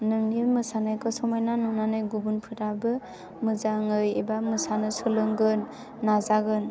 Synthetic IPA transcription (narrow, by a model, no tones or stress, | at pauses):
nɯŋniɯmɯsanajkɔsɔmajnanunanɯjɡubunpʰɯɾabɯ | mɯzaŋɯjebamɯsanɯsɯlɯŋɡɯnː | azaɡɯn